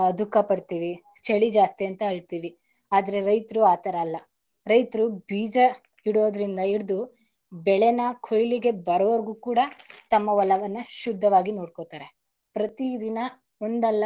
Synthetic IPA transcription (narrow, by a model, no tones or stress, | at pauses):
ɐd̪ukːɐpɐɽt̪iːʋit͡ʃeɭid͡ʒaːst̪iɐnt̪ɐɐɭt̪iːʋi | aːd̪ɐɾe̞ɾɐjt̪ɐɾuaːt̪ɐɾɐːlːɐ | ɾɐjt̪ɾubiːd͡ʒɐ | iɽoːd̪ɐɾind̪ɐiɽd̪u | bɛɭenɐkʰojliɡe̞bɐɾɐʋɐɾɡuːkuːɽɐt̪ɐmːɐʋɐlːɐʋɐnːɐʃud̪ʱːɐʋaːɡinoːɽkot̪aːɾe̞ | pɾɐt̪id̪inɐ | ond̪ɐlːɐ